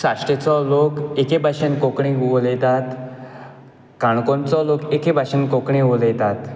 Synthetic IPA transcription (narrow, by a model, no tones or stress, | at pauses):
saʂʈet͡sɔlokekebʱaɕənkokɳioljt̪at̪ | kãɳkɔ̃nt͡sɔlokekebʱaɕənkokɳiʋoljt̪at̪